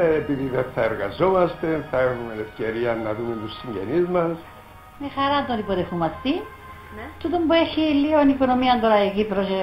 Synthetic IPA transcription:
epiðiðenθɐeɾɣɐ̰zo̞mɐst̪e̞θɐexumenefce̞ɾiɐnːɐðumet̪usːiɲɟḛnizmɐs | mexɐɾɐt̪ot̪ipoɾefumɐst̪i | t̪ut̪ombueçilionikonomiɐnd̪oɾɐekipɾose

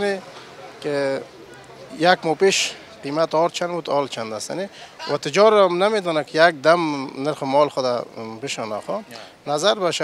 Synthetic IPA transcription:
ni | ke | jakmɔpeʃ | qimat̪ɔɾt͡ʃʰanbut̪ɔlt͡ʃʰand̪ast̪a̰niwa̰t̪ɪd͡ʒɔɾmnamed̪ɔnakɪjak̚d̪amnəɾxʊmɔːlxʊd̪abɪʃɔnaxɔ | nazaɾbaʃa

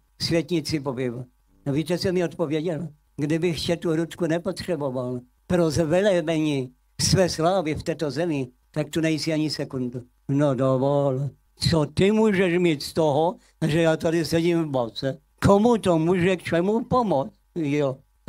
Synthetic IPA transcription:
svjɛt̪ɲit͡sɪpobɪva | aviːt̪ɛsɛmɪot̪povjɛɟɛl | ɡdɪbɪxcɛt̪uɦɾut̪kunɛpot̪r̥ɛboval | pɾozvɛlɛbɛɲi | svɛːslaːvɪft̪ɛːt̪ozɛmɪ | t̪ak̚t̪unɛjsiaɲɪsɛkund̪u | nodovol | t͡sot̪ɪmuːʒɛʃmiːt̪st̪oɦɔ | ʒɛjaːt̪adɪsɛɟimvbat͡sɛ | komut̪omuːʒɛkt͡ʃɛmupomɔt͡stjɔ

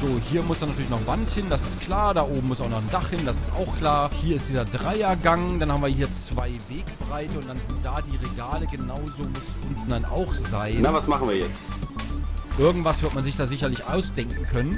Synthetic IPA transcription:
z̥oːhiːɐmʊsd̥anatʰyɐlɪçnɔχvanthɪnd̥asɪstkl̥aːɐdaːʔoːbm̩mʊsaʊxnɔχndaχhɪndasɪ̥sta̰ʊxkl̥aːɐhiːɐɪst̚d̥iːzɐdʁaɪɐɡaŋd̥anhabmviːɐɦiːɐt͡sv̥aɪveːkb̥ʁaɪtəʊntd̥anzɪnt̚d̥aːdiːʁeɡaːləɡənaʊzoːmʊsɪsn̩danʔa̰ʊxz̥aɪnavasmaχn̩viːɐjɛt͡st | ʔɪɐɡŋ̩tv̥asv̥ɪɐtmanzɪçd̥aːzɪçɐlɪçʔaʊsd̥ɛŋkŋ̩kʰœnən

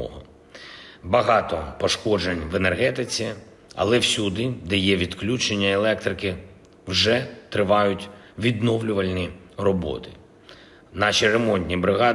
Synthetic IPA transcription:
ɔ̰ɦɔ | bɐɦɑt̪ɔpɔʃkɔd͡ʒenʲʋenerɦɛt̪ɪt͡sʲi | ɐ̰lˠɛwsʲud̪ɪd̪ɛjɛʋʲid̪klʲut͡ʃenʲːɐelˠɛkt̪ɾɪkɪ | wʒɛt̪ɾɪʋɑjʊtʲʋʲid̪nɔwlʲʊʋɐlʲnʲi | rɔbɔ̰t̪ɪ̥ | nɑʃʲiɾemɔnʲtʲnʲibɾɪɦɑ

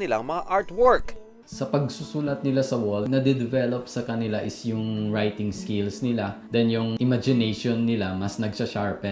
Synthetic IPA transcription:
nɪlaŋmɐŋaʔaɹt̪wɔɹk | sɐpɐɡ̚susuːlɐt̪̚nɪlasɐwɛld̪̚nɐd̪ɛd̪ɪvɛlop̚sɐkɐnɪlaʔɪsjʊŋɹajt̪ɪŋskɪlsnɪlad̪ɛnjʊŋʔɪmad͡ʒɪnejʃonːɪlamɐsnɐɡsɐʃaɹpɛ

